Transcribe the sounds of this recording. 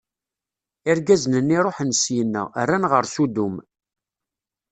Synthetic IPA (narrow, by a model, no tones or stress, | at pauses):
ɪɾɡæznənːiɾˤoħənsjənːə̰ʁə̰rːænʁəɾsud̪um